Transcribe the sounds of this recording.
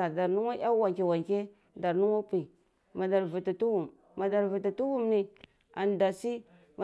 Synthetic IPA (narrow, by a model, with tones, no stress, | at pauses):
a˨da˨ɾnu˦ŋa˦ʔa˦wa˨kʲi˨wa˨ŋkʲe˦ | da˨ɾnu˦wa˦pi˨ | ma˨da˨ɾvu˨ti˨tu˦wu˨m | ma˨da˨ɾvi˨ti˨tu˦wu˦mni˨ | a˨nda˨si˦ | ma˨